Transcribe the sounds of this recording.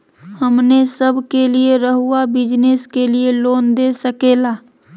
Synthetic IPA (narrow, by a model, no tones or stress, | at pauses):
həmnesəbʱkelieɾəɦʊabɪd͡ʒneskelieloːnd̪eːsəkeːlaː